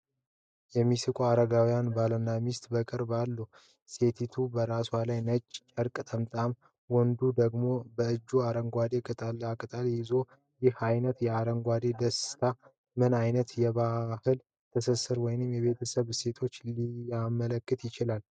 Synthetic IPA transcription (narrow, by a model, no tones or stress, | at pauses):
jɛmːisɨkʼuaɾəɡawijanbalənːamist̪ʼbəkʼɨɾbalːə | se̞t̪ʰit̪ʰubəɾaswalajnət͡ʃʼːt͡ʃʼəɾkʼt̪ʼəmt̪ʼam | wɔnd̪ud̪əɡmo̞bəɨd͡ʒːuaɾəŋɡʷad̪e̞kʼət̪ʼalːakʼət̪ʼaljɪzo̞ | jɪhajnət̪jɛaɾəŋɡʷad̪e̞d̪əst̪ʰa | mɨnajnət̪jɛβahɨl | t̪ʰəsəsɨɾwɔjɪnɨmjɛβe̞t̪ʰəsəβse̞t̪ʰo̞t͡ʃːliamələkːɨt̪jɪt͡ʃɪlal